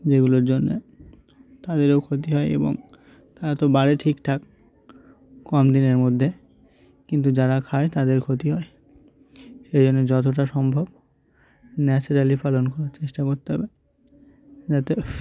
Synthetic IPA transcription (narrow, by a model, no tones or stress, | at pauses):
d͡ʑeɡuloɾd͡ʑonːḛ | t̪ad̪eɾowkʰot̪iɦɔeḛbo̰ŋ | t̪aɾat̪obaɾeʈʰikt̪ʰak | kɔmd̪ineɾmod̪ʱːe | kint̪ud͡ʑaɾakʰaet̪ad̪eɾkʰot̪iɦɔe | ʃejd͡ʑonːed͡ʑɔt̪̬oʈ̬aʃɔmbʱob | nɛt͡ɕuɾalipalonkɔɾaɾt͡ɕeʃʈakoɾt̪eɦɔ̰be | d͡ʑat̪e